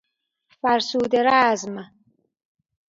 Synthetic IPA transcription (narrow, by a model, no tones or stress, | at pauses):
faɾsuːd̪ɪɾaːzma